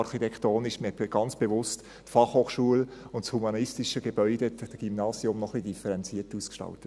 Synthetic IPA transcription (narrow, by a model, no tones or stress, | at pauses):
ɑɾχitɛkχtoːnɪʃmiɡ̥ɑnt͡sb̥evʊst | tfɑχhoːχʃuəlʊntshumɑnɪstiʃəɡ̥ebœʏd̥eddɡ̥ymnɑːsjʊmnɔχlid̥ifəɾɛnt͡siətuːskʃtɑ̰ltə